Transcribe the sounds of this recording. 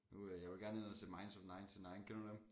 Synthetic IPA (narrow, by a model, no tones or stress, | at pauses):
nujäɪʋelɡ̥æɐnenɐsʰemɑ̈ɪnsɒfnɑ̈ɪnt͡sʰenɑ̈ɪnkʰenudem